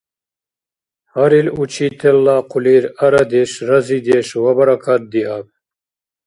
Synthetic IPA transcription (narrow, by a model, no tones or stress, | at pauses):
hɐɾilut͡ʃʰiːt̪ʰɛlːaːqʰuliːɾɐɾɐd̪eʃɾɐziːd̪eʃwɐbɐɾɐkʰat̪̚d̪iab̚